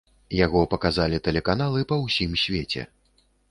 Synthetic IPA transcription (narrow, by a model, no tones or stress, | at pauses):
jaɣɔpɐkazalʲit̪ɛlʲɛkanalˠɨpɐwsʲimsʲvʲet͡sʲɛ̰